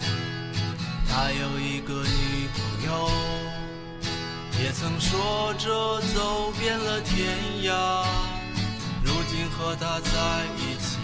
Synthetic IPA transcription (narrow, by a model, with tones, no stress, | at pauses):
t̪ʰa˥jo˨˩ʊi˧˥ɡə˧ni˥ku˨˩jo˥ʊ | jɛ˨˩t͡sʰə˨˩ŋʂwɔ˥ʈ͡ʂɤ˥˧t͡so˨˥ʊpjɛ˥˧nlə˨t̪ʰjɛ˧˥nja˧ | ɻu˧˥t͡ɕi˥nxɤ˧˥t̪ʰa˥t͡sa˥˧ɪi˥˩t͡ɕʰi˨˩